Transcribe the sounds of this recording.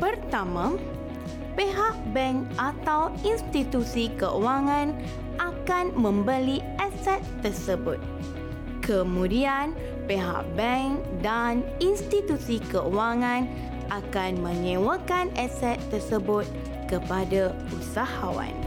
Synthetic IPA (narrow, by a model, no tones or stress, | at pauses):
pərt̪amã | peɦaʔ̚bɛŋkʔat̪awinst̪it̪usikəʔuaŋãn | ʔakanmə̃mbəli | ɛsɛt̪ːərsəbʊt̪̚ | kəmũdian | peɦa̰ʔ̚bɛŋ | daninst̪it̪usikəʔuwaŋãn | ʔakanmə̃ɲẽwəkanɛsɛt̪ːərsəbʊt̪̚ | kəpada | usahawa̰n